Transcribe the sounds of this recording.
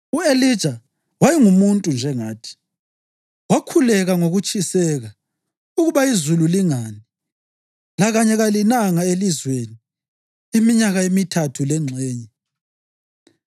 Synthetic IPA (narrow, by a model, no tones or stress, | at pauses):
uelid̥ʒ̥ʱa | wajiŋumuntʼund͡ʒʱɛŋaːtʰi̥ | wakʰulɛɣaŋoɣut͡ʃʼisɛɣa | uɣuβaizululiŋaːni | laɣaɲɛɣalinaŋaelizweni | imiɲaɣaemitʰatʰulɛŋ͡ǀʱɛːɲɛ